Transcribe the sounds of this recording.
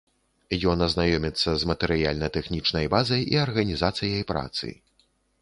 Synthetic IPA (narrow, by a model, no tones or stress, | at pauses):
jɔnɐznajɔmʲɛt̪sːɐzmɐt̪ɛɾɨjalʲnɐt̪ɛxnʲit͡ʂnɐjbazɐjḭɐrɣɐnʲizat̪sɨjɐjpɾa̰t̪sɨ̰j